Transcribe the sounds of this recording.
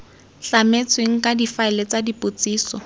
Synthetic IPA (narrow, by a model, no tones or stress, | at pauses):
ɬamet͡sʰweŋ̩kʼadifaɪlet͡sadipʼot͡siːsɔ̰